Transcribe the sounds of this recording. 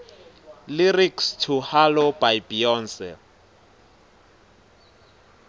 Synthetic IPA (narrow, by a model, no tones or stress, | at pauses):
lirikstʰuhalobajbiɔnsɛ̰